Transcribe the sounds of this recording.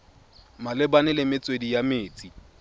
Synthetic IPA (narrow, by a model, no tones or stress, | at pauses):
malɪbanɪlɪmɪt͡sʼwedijameːt͡sʼi